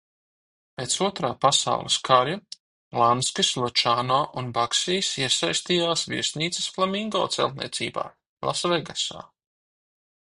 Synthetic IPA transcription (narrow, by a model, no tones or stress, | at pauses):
peːt̪suɔt̪ɾaːpasa̰wlˠḭskʰaɾja | lˠanskislˠɔt͡ʃaːnaːʔunbaksiːsiɛsajst̪iːjaːsvʲḭsʲniːt̪se̥sflˠamiŋɡɔ̰ːt̪sɛ̰lˠt̪̚nḭɛt̪sḭːba̰ː | lˠa̰svɛɡasa̰ː